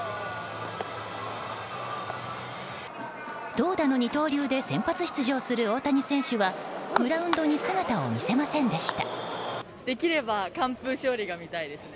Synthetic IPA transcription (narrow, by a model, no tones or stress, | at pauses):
d̪̥o̞ːd̪ano̞ɲ̟it̪o̞ːɾʲɯːd̪e̞sẽ̞mpat͡sɨ̥ɕi̥t͡sɨʑo̞ːsɨɾɯ̟o̞ːt̪aɲ̟isẽ̞ɰ̃ɕɨβabɯ̟ɾaɯ̟̃nd̪o̞ɲ̟isɨɡat̪ao̰mʲise̞masẽ̞nd̪e̞ɕi̥t̪a̰ | d̪̥e̞kʲiɾe̞bakãmpɯɕo̞ːɾʲiɡamʲit̪aid̪e̞sɨ